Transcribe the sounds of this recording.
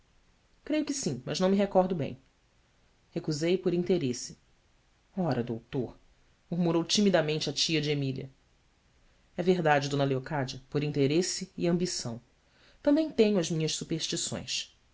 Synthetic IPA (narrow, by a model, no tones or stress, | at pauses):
kɾejʊkɪsĩmɐʒnɐ̃w̃mɪɦekɔɾd̪ʊbḛ̃j̃ | hekuzejpoɾĩnt̪eɾesɪ̥ | ɔɾɐd̪owt̪oɾ | muɾmuɾowt͡ʃimid̪ɐmẽnt͡ʃɪɐt͡ʃiɐd͡ʒɪemiliɐ̰ | ɛveɦd̪ad͡ʒɪd̪õnɐleokad͡ʒɐpoɾĩnt̪eɾesɪːɐ̃mbisɐ̰̃w̃ | t̪ɐ̃mbẽj̃t̪ẽɲʊɐzmĩɲɐʃsupeɾʃt͡ʃisõ̰j̃s